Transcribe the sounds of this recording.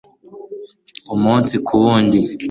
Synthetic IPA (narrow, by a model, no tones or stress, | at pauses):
umuːnsikʰuβuːndi